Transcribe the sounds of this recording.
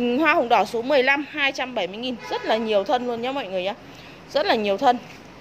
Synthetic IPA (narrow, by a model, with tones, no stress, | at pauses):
ŋhwaː˧hə̰˨wŋ͡mɗɔ˧˩so˨˦mɨ˨˩əjla˧mhaː˧jt͡ɕa˧mɓə˧˩jmɨ˧jŋi˨˩nzə˦˥t̚laː˨˩ɲi˨˩əwt̪ʰə˧nlu˧ənɲɔ˨˦mɔ̰˧˨jŋɨ˨˩əjɲa˨˦ | zə˦˥t̚laː˨˩ɲi˨˩əwt̪ʰə˧n